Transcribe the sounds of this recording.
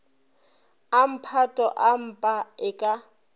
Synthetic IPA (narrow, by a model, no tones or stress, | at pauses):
am̩pʰatʼɔʔam̩pʼaɪkʼa